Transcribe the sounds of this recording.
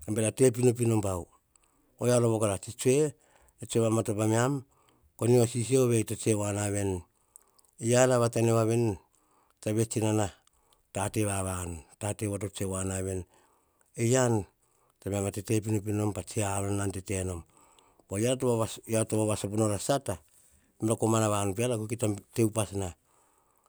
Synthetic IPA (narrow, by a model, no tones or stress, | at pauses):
ambeɾate̞p̬inop̬ino̞mpaw | ojaloβokaɾat͡ʃit͡ʃue̞ | tet͡ʃueβamatopamiam | koniosis̬ioβetot͡ʃewanaβe̞n | ejanaβataniβaβen | taβe̞t͡ʃinana | tateβaβantateβato̞t͡ʃewanaβe̞n | ejan | tamiamatete̞p̬inop̬ino̞mpat͡ʃiaβananteteno̞m | pojatoaajatoβaβasoponoɾasata | mɾakomanaβanup̬ialakukitate̞upasna